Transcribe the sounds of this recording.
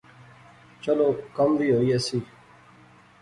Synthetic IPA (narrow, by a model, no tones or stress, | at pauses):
t͡ʃəloːkəmʋiːɦoːiːəsiː